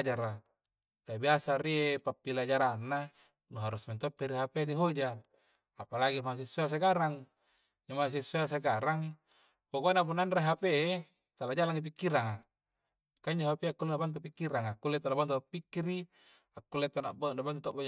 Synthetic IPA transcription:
d͡ʒaɾa | k̪abiasariepapːilad͡ʒaɾanːa | nuɦaɾusment̪opːiɾiɦapediɦod͡ʒaː | palaɡimas̬isuas̬aɡaɾaŋ | d͡ʒamas̬isuas̬aɡaɾaŋ | pokonapunanreɦape | t̪alad͡ʒalaŋip̬ikːiɾaŋa | kaiɲd͡ʒaɦapiakːulenabant̪upikːiɾaŋakːulːet̪ːonabant̪uapːikːiɾi | akːulːet̪onaʔbonabant̪ut̪abo

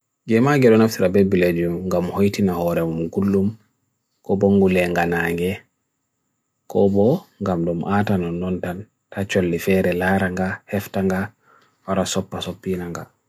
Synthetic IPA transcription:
ɡɛmaɡɛɗɔnaftiɾabebːiled͡ʒumŋɡamhojtinahɔɾɛmumɡulːum | kɔboŋɡulɛŋɡanaːŋɡɛ | kɔbɔŋɡamdɔmʔatanɔnːɔntan | tat͡ʃolːifɛɾɛlaɾaŋɡahɛftaŋɡa | waɾasɔpːasopːinaŋɡa̰

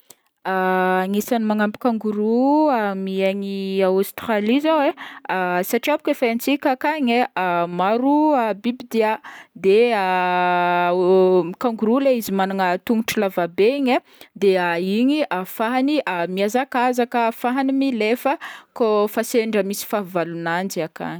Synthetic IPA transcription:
aaŋisanimaŋampi̥kaŋɡuɾuamiaɲiawst̪ɾalizaweasaʈ͡ʂiabu̥kefaant͡sikʲakaɲeamaɾuabibid̪iad̪ea | kaŋɡuɾuleizimanaŋət̪uŋuʈ͡ʂilavabeiɲa | d̪eaiɲiʔafaɦaniʔamiazakazakəfaɦanimilefəkofaseɳɖ͡ʐəmisi̥favalunand͡ziaka̰ɲi

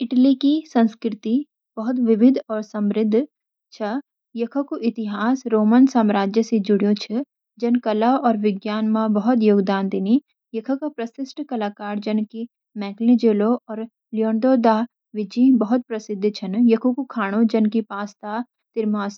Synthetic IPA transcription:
ɪʈlikisɐ̃nskɾɪt̪i | bɐɦʊt̪ʋɪʋɪd̪ʱɔːɾsɐ̃mɾɪd̪ʱː | t͡ʃʰɐ | jɐkʰəkuʔɪt̪ɪɦaːsɾoːmənsaːmɾaːd͡ʒjəsed͡ʒʊɽijõt͡ʃʰɐ | d͡ʒɐnkɐlaɔːɾʋɪɡjaːnmãbɐɦʊt̪joːɡd̪aːnd̪ɪni | jɐkʰəkapɾɐsɪsʈʰkɐlaːkaːɾd͡ʒɐnki | mɛ̃ːʈlĩd͡ʒeːloɔːɾ | lijɔːɳd̪oːd̪a | ʋɪd͡ʒibɐɦʊt̪̚pɾɐsɪd̪ʱːt͡ʃʰɐnjɐkʰokukʰaːɽ̃õd͡ʒɐnkipaːst̪aː | t̪ɪɾmaːs

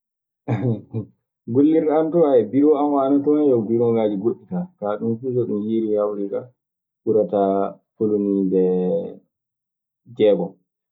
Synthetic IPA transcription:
ɡolːiɾantɔajɛbiwɔamwanatɔnɛjɔwdiɾɔŋɡad͡ʒiɡoɗːitakaɗumfusɔɗumjiɾihawɾika | ʔuɾatafolunidɛ | d͡ʒɛːɡɔ

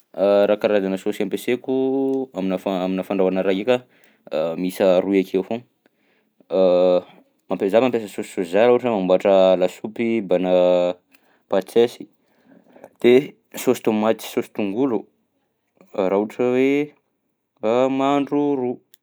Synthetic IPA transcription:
aɾakaɾad̪anəsosampesekuaminafaaminafaɳɖ͡ʐawanaɾaika | misəɾuakʰeafoŋ | mampezabampesəsosi̥soszaɾaɦuʈ͡ʂəmambaʈ͡ʂəlasupibanə | pat͡sesi̥ | d̪̥e | sosi̥t̪umat͡s̪i̥sosi̥t̪uŋɡulu | ɾauʈ͡ʂəwe | amaɳɖ͡ʐuru

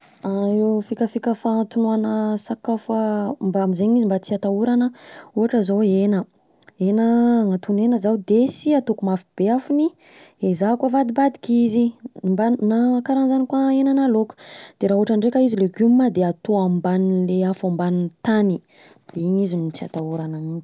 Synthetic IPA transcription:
aefikʲəfikʲəfant̪unuanəsakafambamizeɲizimbat͡siat̪auɾanəuɦaʈ͡ʂəzoenə | enəŋat̪unenəzaud̪esiat̪okumafib̥eafuni | ezakwavad̪ibad̪i̥kʲizimbanaakaɾanzanikwaenənalokə̥d̪̥eɾaːuaʈ͡ʂaɳɖ͡ʐekʲəizileɡummad̪eat̪oambanileafambanint̪ani | d̪̥eiɲizinit͡sia̰t̪auɾanamit̪i̥

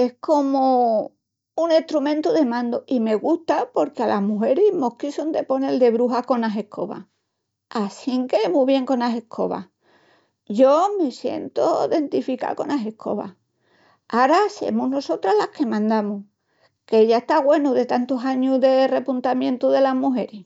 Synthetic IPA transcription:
e̞hko̞mo | uŋe̞ht̪ɾumẽ̞nt̪uðe̞mãnd̪oime̞ɣust̪apo̞ɾkealʔaɦmuɦe̞ɾimo̞hkisond̪e̞po̞ne̞ld̪e̞βɾuɦako̞naɦe̞hkʰo̞̰βa̰ | asiŋkemuβje̞ŋko̞nase̞kʰo̞̰βa̰ | ʝo̞me̞sje̞̰nt̪oðe̞nt̪ifika̰ko̞naɦe̞hkʰo̞̰βa̰ | aɾase̞̰muno̞so̞t̪ɾalahke̞mãnd̪amu | keeʎaeht̪aɣwe̞nuðe̞t̪ant̪oɦaɲuðe̞re̞punt̪amjẽ̞nt̪uðe̞laɦmuɦe̞ɾi

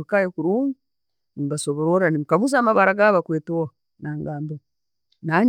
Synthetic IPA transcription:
ukajekuɾuːmu | nimbasoβoɾoɾanimukaβuzaːmaβaɾaɡaβakweːto | naːŋɡaːmba | naɲ

